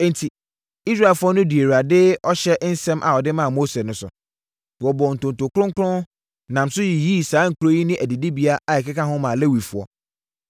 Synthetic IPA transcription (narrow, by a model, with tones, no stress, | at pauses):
n̩˨tʰi˨ | i˦sɾa˦˨e˨lfʊ˦ɔ˦nʊ̃˦di˨e˨ɾu˨a˨dɪ˦ɔ˦ɕɛ˦ʔn̩˦sɛ̃˦mʔa˨ɔ˨dɪ˦mã˦a˨mo˦sɛ˨nʊ̃˦sʊ̰˨ | wɔ˨bɔ˨n̩˨tʊ̃˨n˨tʊ˨kʊ˦ɾʊ̃˦ŋkʰɾʊ̃˦ | nã˨m̩˨sʊ˦ji˨ji˦˨saː˦ŋ̩˨kʰɾo˦ji˦nɪ̃˦ʔæ˨di˨di˦bi˦a˦a˨ɛ˨kɪ˦ka˦ɦʊ̃˦mã˨le˦wi˨fʊ˨ɔ̰˦